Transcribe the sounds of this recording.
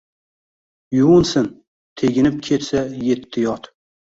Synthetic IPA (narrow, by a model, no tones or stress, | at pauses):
jʊʊnsɪn | t̪ʰeɡʲɪnɪp̚kʲʰet̪saje̞t̪ʰːɪjɒt̪